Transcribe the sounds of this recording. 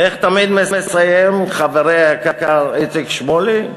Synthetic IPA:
eχt̪amid̪mesmesajemχaveɾeakakaɾet͡sikʃmoli

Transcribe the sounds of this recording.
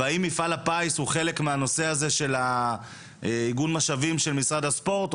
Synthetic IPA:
aimifalapajshuχe̞le̞kmeano̞se̞aze̞ʃe̞la | iɡunmaʃavimʃelmisʁad̪aspo̞ʁt̪

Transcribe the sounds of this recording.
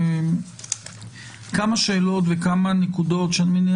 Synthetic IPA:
kamaʃeːlo̞t̪vekamanekudo̞t̪ʃeanmin

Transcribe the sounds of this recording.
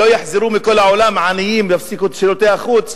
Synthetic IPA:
ojaħziɾumikolaʕolamʕanijimjafsikut̪ʃilot̪ehaχut͡s

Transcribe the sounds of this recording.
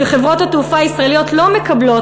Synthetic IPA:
eχevʁo̞thatufaaisʁaelijo̞tlo̞me̞kɐblo̞

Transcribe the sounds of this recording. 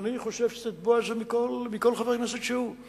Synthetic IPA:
niχo̞ʃevʃezet̪̚buazemikolmiko̞lχaveʁknesed̪ʃeu

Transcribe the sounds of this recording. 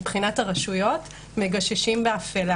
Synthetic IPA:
pχinathaʁaʃujo̞t | meɡaʃeʃimbeafela

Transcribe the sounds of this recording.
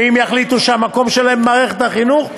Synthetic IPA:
imjaχlit̪uʃeamako̞mʃelaemːaːʁeχet̪haχinuχ

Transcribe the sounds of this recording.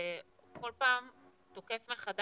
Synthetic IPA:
ko̞lpaːm | t̪oke̞fmeχad

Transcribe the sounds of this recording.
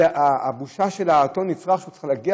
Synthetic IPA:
abuʃaʃe̞laːt̪o̞nːit͡sʁaχʃeut͡salaɡia

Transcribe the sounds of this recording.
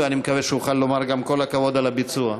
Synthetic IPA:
animekaveʃeuχalːo̞maʁɡamko̞lhakavo̞d̪alabit͡sua

